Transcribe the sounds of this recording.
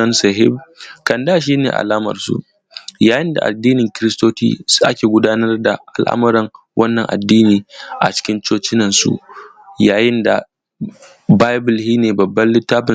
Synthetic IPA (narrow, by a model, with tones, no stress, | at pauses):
ɐ˦nsɐ˨ɦɪ̰˦b̚kɐ˨ndaː˦ʃ̬iː˦nḛː˨ʔa̰˨laː˦mɐ̰˨rsṵ˦ | jaː˨˦jɪ˦nda̰˨ʔa̰˨dːiː˦nɪ˨ŋkʲɪ˦ɾɪ˦stoː˦tḭː˦sʔa̰˦kʲeː˨ɡʷʊ˦daː˦nɐ˦rda˨ʔa̰˨lʔa̰˦mʊ˦ɾɐ˨ŋ | wʔɐ˦nːɐ˨ŋʔa̰˨dːiː˦niː˨ʔa̰˨t͡ʃɪ̥˦kʲɪ˦nt͡ʃoː˦t͡ʃɪ˦nɐ˨nsṵ˦ | jaː˨jɪ˦nda˨ | baː˦jbʊ˨lhiː˦neː˨bɐ˨bːɐ˦nlɪ˦tːaː˦ɸɪ˨